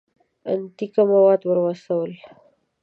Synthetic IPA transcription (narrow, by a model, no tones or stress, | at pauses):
a̰nt̪ikamawɑd̪wəɾwasawəl